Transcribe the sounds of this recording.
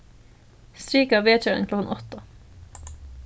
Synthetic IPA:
st̪ɾiːkəɑːʋeːt͡ʃøːə̰ŋkʰlɔkn̩ʔɔt̪ə

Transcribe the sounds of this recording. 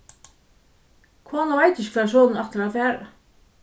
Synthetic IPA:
kʰoːnavajt̪ɪçɪkʰvːsɔːlnɛht̪əɾafæːɾa̰

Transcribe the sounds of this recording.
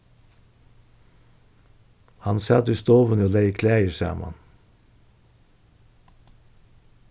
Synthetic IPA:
hɑnsɑd̪ʉst̪oːʋənəoːlæɪkʰlæəsæ̰ːmɑ̰n

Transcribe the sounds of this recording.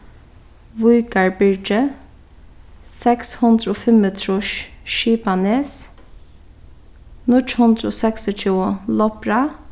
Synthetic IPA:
ʋʊʏɡɑɹbʏɹd͡ʒə | sɛkshʊnd̪ɾəoːfɛmət̪ʰɾʊʃʃiːpaneːs | nʊʈhʊnd̪ɾəoːsɛksɪt͡ʃʰuːəlɔpɹa

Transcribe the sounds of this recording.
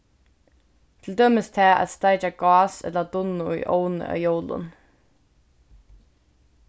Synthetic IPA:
t̪ʰɪld̪øːmɪst̪ʰɛːʔæ̰t̪st̪aɪt͡ʃaɡɑːsɛ̰t̪ləd̪ʊnʊʊ̰jʔownə̰ʔa̰jowlʊ̰n

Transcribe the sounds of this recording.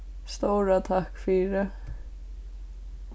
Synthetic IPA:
st̪oːɾat̪ʰahkfiɾɪ

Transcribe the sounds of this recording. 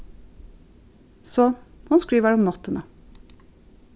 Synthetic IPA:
sɔhʊnskɹiːʋəɾɔmnɑt̪ːənə

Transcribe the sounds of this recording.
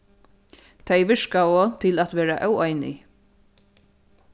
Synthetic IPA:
t̪ʰajʋɪʂkaoːt̪ʰɪlat̪ʋɛːɾaʔœwajnɪ̰

